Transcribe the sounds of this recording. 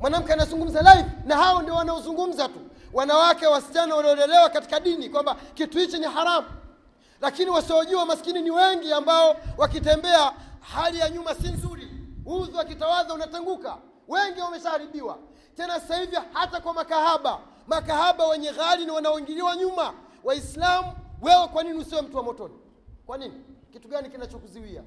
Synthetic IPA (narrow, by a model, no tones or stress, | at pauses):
mwanam̩kɛanazuŋɡum̩zalaifnahaɔndiɔwanaɔzuŋɡum̩zatuwanawakɛwwasi̥t͡ʃanawaliɔlɛlɛwakati̥kaɗinikwambakituhit͡ʃɔnihaɾamu | lakiniwasiɔʄuamaskininiwɛŋɡiambaɔwakitɛmbɛahalijaɲumasinzuɾiuzuwakitawazaunatɛŋɡuka̰ | wɛŋɡiwamɛʃahaɾiɓiwa̰ | tɛnasasahivjɔhatakwamakahaɓa | makahaɓawɛɲɛɣaɾiniwanaɔiŋɡiɾiwaɲumawaislamuwɛwɛkwaniniusiwɛm̩tuwamɔtɔni | kwaninikituɡanikinat͡ʃɔkuziwia̰